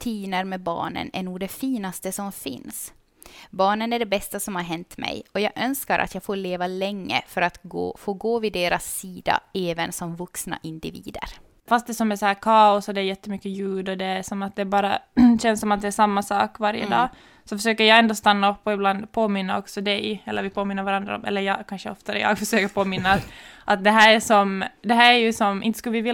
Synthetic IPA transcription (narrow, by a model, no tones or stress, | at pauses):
t̪ʰiːnəɾmɛbɑ̰ːɳə̰næ̰ɳuːd̪ɛfiːnast̪əsɔmfɪ̰ns | bɑːɳənæɖɛbɛst̪asɔmhaɾɦɛnt̪mɛ̰jɔjɑːɡʔœnskaɾʔa̰t̪jɑːɡfoːɾɭeːvalɛŋːə̰fœɾat̪ɡo̰ːfoːɡoːvɪd̪eːɾasːiːd̪a̰ɛːvənsɔmvɵksna̰ʔɪnd̪ɪvḭːd̪ə̰ɾ | fast̪̚d̪ɛsɔmːɛsɔhæːɾkʰɑːʊsɔd̪ɛːɾjɛt̪ːəmʏkːəjʉːd̪ɔd̪ɛæʂɔmat̪̚d̪ɛːbɑːɾaɕɛnsːɔmat̪̚d̪ɛːʂamːasɑ̰ːkvaɾjə̰d̪ɑ̰ː | sɔfœʂøːkəɾjɑːɡɛnd̪ɔːst̪anːaɔpːɔɪbland̪pʰoːmɪnːaɔksɔd̪ɛjɛlːəɾvɪpʰoːmɪnːəɾvaɾand̪ɾa̰ɔ̰mʔɛ̰lːəɾjɑːkʰanʂəɔft̪aɛ̰jɑ̰ːɡfœʂøːkəɾpʰoːmɪnːaːt̪ʔat̪̚d̪ɛɦæːɾæʂɔmd̪ɛɦæːɾæɾjɵsɔmʔɪ̰nt̪ə̥skɵlvɪvɪl